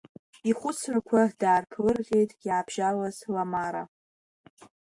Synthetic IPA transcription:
iχʷʊt͡sʰrakʷʰadaːrpʰlɨrʁʲe̞jtʼjaːbʒ̥alazlamaɾa̰

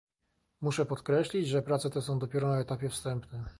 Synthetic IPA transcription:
muʂɛpɔt̪kɾɛɕlʲid͡ʑʐɛpɾat̪sɛt̪ɛs̬ɔ̃w̃d̪ɔpʲjɛɾɔnaɛt̪apʲjɛfst̪ɛmpnɛ

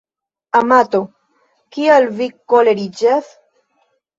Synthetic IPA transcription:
amat̪o | kialvikoleɾid͡ʒas

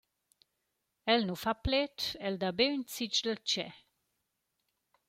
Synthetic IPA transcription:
ɛlnufaplɛt̪ɛld̪abeynt͡sit͡ʃd̪əlt͡ʃɛ

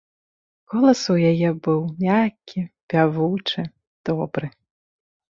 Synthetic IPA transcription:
kɔlˠɐsujajɛbɨwmʲakʲːipʲavut͡ʂɨ | d̪̥ɔbɾɨ

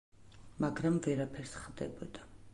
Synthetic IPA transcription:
maɡɾamvɛɾapʰɛɾsχd̪ɛ̰bɔd̪a

